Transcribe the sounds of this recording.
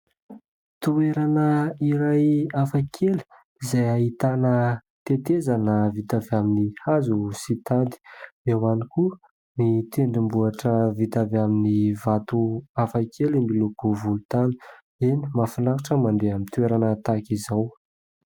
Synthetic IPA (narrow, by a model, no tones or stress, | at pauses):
t̪ueɾanəiɾajafakʰelu̥ | izajaɦit̪anə | t̪et̪ezanəvit̪avaminihazusit̪ad̪i̥ewaniku | nit̪eɳɖ͡ʐimbuaʈ͡ʂəvit̪avaminivat̪uafakʰelimbilukuvulut̪anu̥ | eni̥mafunakuʈ͡ʂəmand̪eamint̪ueɾanət̪akizaw